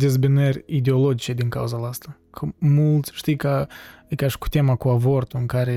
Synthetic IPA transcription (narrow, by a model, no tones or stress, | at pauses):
d̪ezbinərʲid̪eo̞lo̞d͡ʒit͡ʃe̞d̪iŋkauzalast̪akʰəmult̪sʲʃt̪ijkəkaʃi̥ku̥t̪ʲemakuavo̞rt̪uɨŋkaɾe̞